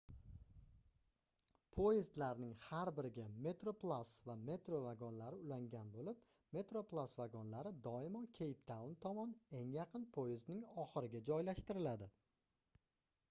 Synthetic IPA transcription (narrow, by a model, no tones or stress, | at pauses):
pʰojɪzd̪laɾnɪŋhaɾbɪɾɪɡʲame̞t̪ɾoplˠasvame̞t̪ɾo̞vaɡɒnlaɾɪʊlaŋɡʲanbolɪp | me̞t̪ɾo̞plˠasvaɡɒnlaɾɪd̪ɒɪmɒkʲʰe̞jpt̪ʰaʊnt̪ʰɒmɒne̞ŋjɑqʰɨnpʰojɪznɪŋɒχɨɾɪɡʲad͡ʒɒjlaʃt̪ɪɾɪlad̪ɪ